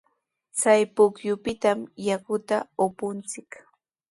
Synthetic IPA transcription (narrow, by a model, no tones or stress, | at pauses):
t͡sajpʊkjʊpɪt̪amjakʊt̪aʊpʊnt͡sɪk